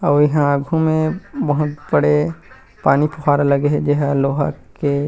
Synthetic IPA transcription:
ɔːjɐɦãaːɡʱumẽbɐɦʊt̪bəɽe | paːnipʰʊxaːɾalɐɡeɦɛd͡ʒɛɦaloːɦa̰kke

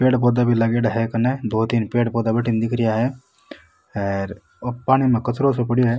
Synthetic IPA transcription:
peːɽpɔːd̪abʱilɐɡeːɖɦɛkɐned̪oːt̪iːnpeːɽpɔːd̪abɐʈind̪ɪkɾijaɦɛ | ɛɾ | opaːɽ̃imẽkɐt̪ɾosop̬əɽiɦɛ

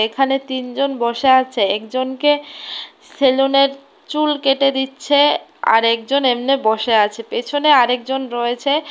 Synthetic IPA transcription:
ekʰanet̪ind͡ʑonbɔʃeat͡ɕʰeɛkd͡ʑonke | seloneɾ | t͡ɕulkeʈed̪itːɕʰea̰ɾɛk̚d͡ʑonemnebɔʃeat͡ɕʰepet͡ɕʰoneaɾek̚d͡ʑonɾɔet͡ɕʰe

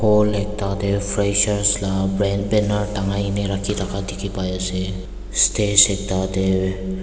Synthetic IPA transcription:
holek̚tad̪epʰɾesəɾslabbenəɾʈaŋajneɾakʰit̪akadikʰipajase | stesek̚t̪ad̪e

